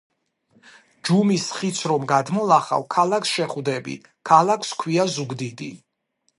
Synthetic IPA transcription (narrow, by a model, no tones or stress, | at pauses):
d͡ʒumisχit̪sʰɾɔmɡad̪mɔlˠaχa̰wkʰalakʰsʃɛχvd̪ɛbḭ | kʰalakʰskʰwiazuɡd̪id̪i